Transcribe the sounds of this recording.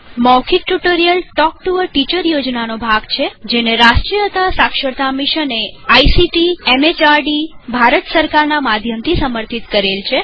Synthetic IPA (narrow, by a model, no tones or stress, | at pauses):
mɔkʰiʈːuʈoɾijəlʈɔk̚ʈuʋəɾʈit͡ʃəɾjod͡ʒnanobʱaɡt͡ʃʰed͡ʒeneɾasʈɾijət̪asakʃəɾt̪amiʃəneajsiʈiemet͡ʃaɾɖibʱaɾət̪səɾkaɾnamad̪ʱjəmt̪ʰisəməɾt̪ʰit̪kəɾelt͡ʃʰe